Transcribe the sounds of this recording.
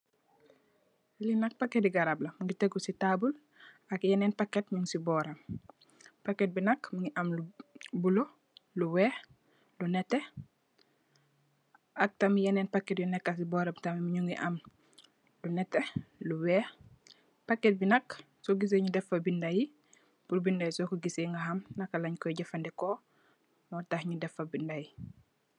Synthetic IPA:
linɐk̚pakːetiɡɐɾablɐmuŋɡiteɡusitabul | ɐkjɐnɛːnpakːetɲuŋsibɔːɾɐm | pakːɛt̚binɐkmuŋɡiʔɐmlubulo | luwɛː | lunɛtːe | ʔɐk̚tɐmijɐnɛnpakːɛtjɔnɛkːasibɔɾɐbtɐmimiɲuŋɡiʔɐm | lunɛtːeluwɛː | pakːɛt̚binɐk | soɡis̬eɲudɛfɐbindaji | puɾbindajisɔkuɡiseŋɡɐɦɐmnɐkːalaɲkɔjɟɐfɐndɛkɔ | mɔːtahɲudɛfːɐbindaji

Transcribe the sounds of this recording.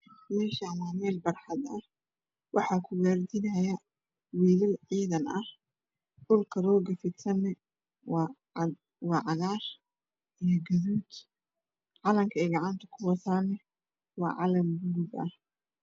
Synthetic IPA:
mɛːʃamaːmɛːlbɐrħɑd̪ɐh | wʔɑħɑːkʰʊɡaːrd̪ɪnɐjɐ | wiːlɐʕiːðɐnɐh | dʊlkʰɐɾɔːɡɐfɪt̪sɐnɛ | wɑːʕɑðaːr | ʔijɔɡɐðuːd̪ | ʕɑlɐmkʰɐɛːɡɑʕɑnt̪ʰɐ̥kʰʊwɑt̪ʰaːnɛ | wɑ̰ːʕɑlɐmɡʊɡubɐ̰h

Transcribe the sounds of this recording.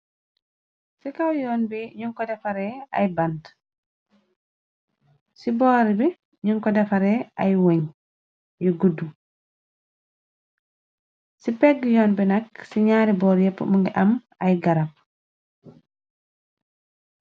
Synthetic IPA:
sikawjɔːnbɛɲuŋkɔdɛfaɾɛa̰jband | sibɔːɾibɛ | ɲuŋkɔdɛfaɾɛajwoɲ | jɔɡudːu | sipɛɡjɔːnbɛnaksiɲaːɾibɔːɾjɛpːmuŋɡɛʔam | ajɡaɾap̚

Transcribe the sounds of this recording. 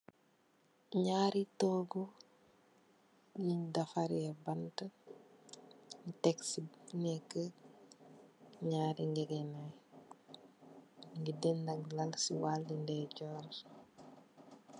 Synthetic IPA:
ɲaːɾitɔːɡu | jiɲdɐfaɾiɛbɐntə | tɛksinɛkːə | ɲaːɾiŋɡɛɡɛnaj | ŋɡidɛndɐɡlɐlsiwaldindɛɟɔːɾ

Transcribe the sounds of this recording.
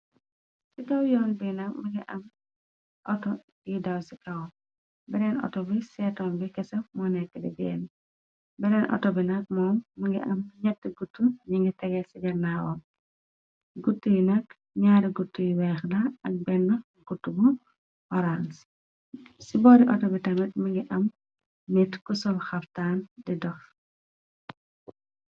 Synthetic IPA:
sikawjɔːnbinɐmiŋɡiʔɐm | ʔɔtɔ | jidawsikɐw | bɛɾɛnɔ̰tɔbisɛtɔːmbikɛsɐmɔnɛkːɛdḭɡɛ̰n | bɛnɛnʔɔ̰tɔbinɐk̚mɔːmːiŋɡiʔɐmɲɐtːiɡutːuɲiŋɡitɛɡɛsiɡɛnawɔ̰ | ɡutːujinɐk | ɲaɾiɡutːujiwɛːxdɐɐk̚bɛnːɔ | ɡ̥utːubu | ɔɾans | sibɔːɾiʔɔtɔbitɐmɛt̚miŋɡiʔɐmː | itkusɔlxɐftaːndidɔx

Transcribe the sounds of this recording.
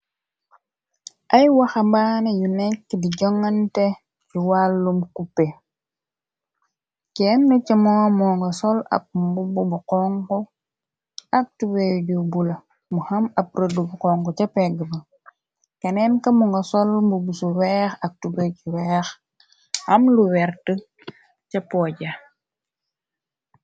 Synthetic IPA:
ʔɐjwaxɐmbanejunɛkːdiɟɔŋːɐntɛ | juwalːumkupːe | kɛnnut͡ʃɐmɔːmɔːŋɡɐsɔlɐ̰p̚bububuqɔŋkɔ | ɐk̚tubejɟubulɐ | muhɐmɐp̚ɾədubuqɔŋɡɔt͡ʃɐpɛɡəbɐ | kɐnɛnkɐmuŋɡɐsɔlmbubusuwɛːxɐk̚tubeɟuwɛːx | ɐmluwɛɾtə | cɐpɔːɟɐ

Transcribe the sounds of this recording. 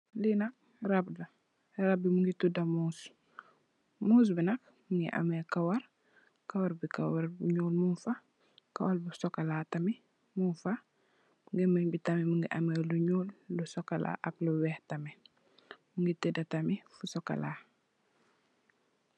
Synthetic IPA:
linɐk̚ | ɾabdɐ | ɾɐb̚bimuŋɡitudɐmuːs | muːs̬binɐk̚ | muŋɡḭʔa̰mɛkawɐɾ | kawaɾbikawaɾbṵɲuːlmunfa | kawalbusɔkːɐlatɐmi | munfa | muŋɡɛmɛɲbitamimuŋɡiʔameluɲuːlːusɔkɐla̰ʔɐk̚luwɛhtɐmɛ | muŋɡitudɐtamifusɔkːa̰la̰

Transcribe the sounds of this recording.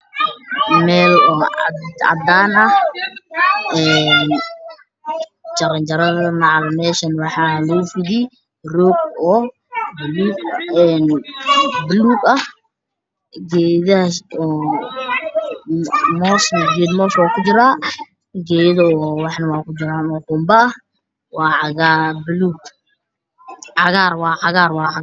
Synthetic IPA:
mɛːlɔ̰d̪d̪ɑ̰d̪aːnɐh | ɛːn | t͡ʃɐɾɐnt͡ʃɐɾɐðɐmɑʕlmɛːʃɐnwɑħɑːlɛfɪd̪i | rɔːɡ̚ɔː | bluːɛːn | bʊluːɡɐh | ɡɛːðɐɔ | mɔsnɡɛːd̪mɔːswaːkʰʊd͡ʒɪɾaː | ɡɛːjðwɑħnɐwɑːkʰʊd͡ʒɪɾaːnɔkʊmbɐː | wɑːʕɑɣabluːɡ | ʕɑɣaːrwɑːʕɑɣaːrwɑː

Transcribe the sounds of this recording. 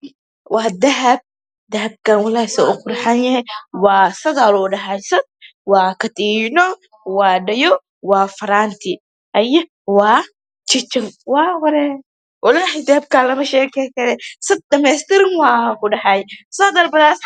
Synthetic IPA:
wʔɑːd̪ɐɦɐb̚ | d̪ɐɦɐb̚kɐnwɐlaːsɛʊkʊɾħanjɐhɛjwɑːsɐɣalɔːɖɐɦajsɐd̪̚ | waːkʰɐt̪iːnɔ | wɑːɖɐjɔ | waːfɐɾaːnt̪ʰɪ | ʔɐjɐ | wɑː | t͡ʃɪt͡ʃɐŋwaːhɔɾɛ | ʔɪlaːɦɪd̪ɐhɐb̚kaːlɐmɐʃɛːkʰɛjkɐɾɛsɐd̪̚dɐmɛːst̪ɪɾɪŋwaːkʊɖɐhajsɐd̪ɐɾbɐðaːs

